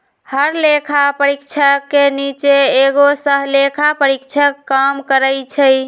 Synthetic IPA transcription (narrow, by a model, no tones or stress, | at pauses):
həɾlekʰapəɾikt͡ʃʰəkːenit͡ʃeeɡosəɦlekʰapəɾikt͡ʃʰəkːamkəɾəjt͡ʃʰəj